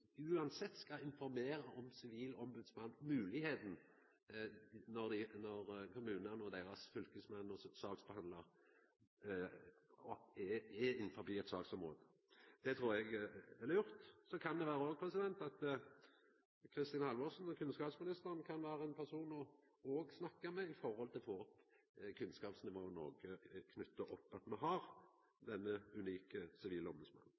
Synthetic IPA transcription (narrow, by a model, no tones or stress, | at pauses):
ʉːɑnsɛt̪ːskɑɪnfɔɾmeːɾəʔɔmsɪʋiːlɔmbʉd̪smɑnːmʉːlɪheːt̪n̩ | nɔʁd̪ɪnɔɾkʰʊmʉːnənɔd̪eːɾɑsfʏlkəsmɛnːɔsɑːɡsb̥ɛhɑnd̪ləʁ | ɔɛɛɪnfɔbiːɛt̪sɑ̰ːɡsɔmʁo̰ːd̪ə | d̪̥ɛt̪ʰɾuːɾɛɡɛləjʊɾt̪sɔkʰɑnd̪ɛʋæːɾəoːɡ̚pʰɾɛsɪd̪ɛnt̪ɑt̪ | kʰɾɪst̪iːnhɑlʋɔsn̩ɔkʰʉnskɑːpsmɪnɪst̪əʁnkʰɑnʋæːɾəɛnpʰæʁsuːnɔ | ɔːɡsnɑkːəmɛɪfɔɾhɔlt̪ʰɪlfoːɔp | kʰʉnskɑːpsnɪʋoːəno̰ːɡəkʰnʉt̪ːəʔɔpːɑt̪mɛɦɑʁ | d̪ɛnːəʉniːkəsɪʋiːləɔməsmɑ̰nːn̩